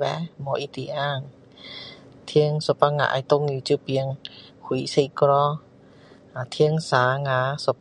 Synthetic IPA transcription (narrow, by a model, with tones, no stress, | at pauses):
bɛ˧˦mɔ˧ʔi˧˦t̪i˨˧ʔaː˧˨ŋ | t̪ʰi˧ə˧ŋso˨˧pa˧ŋa̰˧ʔa̰˧˨jt̪o˧ŋji˧˩t͡ɕu˧pi˧ə˧ŋ | hʰu˨jsa˧kɾɔ˧ | a˨t̪ʰi˧ə˧ŋsaː˨˦ŋaː˨˧˦sɔ˨˧˦p